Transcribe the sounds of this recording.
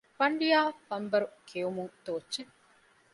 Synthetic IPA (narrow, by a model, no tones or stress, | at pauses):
fɐɳɖijaːfɐmbɐɾukʰeumuŋt̪oːt͡ʃːt͡ʃːe